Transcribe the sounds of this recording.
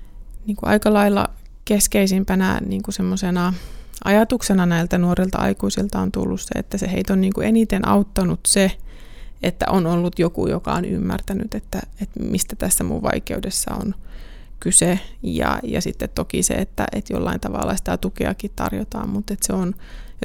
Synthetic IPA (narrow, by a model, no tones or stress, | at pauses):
niːŋkuʔɑ̰ikɑlɑilːɑ̰ | keskeisimpænæ̰niːŋkusemːosenɑʔɑjɑt̪uksenɑnæilt̪ænuorilt̪ɑɑ̰ikuisilt̪ɑont̪ṵlːussḛḛt̪ːæseheit̪onniːŋkuʔenit̪enʔɑut̪ːɑnut̪se | et̪ːæ̰ʔonolːut̪jokṵjokɑony̰mːært̪ænyt̪et̪ːæet̪mist̪æt̪æsːæmṵʋʋɑikeudesːɑ̰o̰n | kysejɑ̰jɑsit̪ːet̪t̪ːokisḛet̪ːæ̰ʔet̪jo̰lːɑint̪ɑʋɑ̰lːɑsi̥t̪æt̪ukḛɑkit̪t̪ɑ̰rjot̪ɑːmmut̪et̪seon